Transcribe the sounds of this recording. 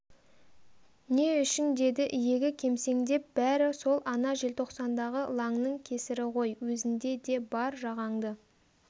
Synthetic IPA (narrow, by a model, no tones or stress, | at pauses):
ne̞ʏʃɪnd̪e̞d̪ɪʔijeɡʲɪkʲʰe̞mse̞ŋd̪e̞p̚b̥æɾɪso̞lˠʔɑnɑʒelt̪ʰo̞qsɑnd̪ɑʁəlˠɑŋnəŋkʲʰe̞sɪɾɪqo̞jwɵzɪnd̪e̞d̪e̞bɑɾʒɑʁɑŋd̪ə